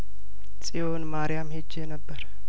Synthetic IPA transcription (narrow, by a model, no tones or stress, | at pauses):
sʼijo̞nmaɾijamhed͡ʒːenəbːəɾ